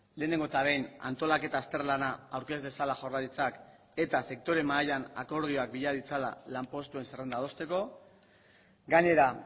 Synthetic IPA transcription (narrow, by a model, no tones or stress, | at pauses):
le̞ːne̞ŋɡoet̪aβe̞jna̰nt̪o̞lake̞t̪aːst̪e̞rlanaawɾke̞zd̪e̞salaʝo̞raɾit͡sak | e̞t̪ase̞k̚t̪o̞ɾe̞maːʎana̰ko̞ɾð̞io̞ak̚biʎaðit͡sala̰lampo̞st̪ue̞nsere̞nd̪að̞o̞st̪e̞ko̞ | ɡaɲe̞ɾa